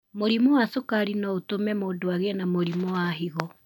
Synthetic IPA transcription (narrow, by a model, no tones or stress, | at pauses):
moɾimɔwasokaɾinaotomɛmoːdoaɣenamoɾimɔwaɦiɣɔ